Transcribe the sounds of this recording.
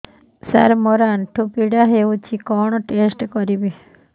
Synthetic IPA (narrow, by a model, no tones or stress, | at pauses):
saɾmɔɾanʈʰupiɽaɦeut͡ʃikɔɳ̃ɔʈesʈkɔɾibi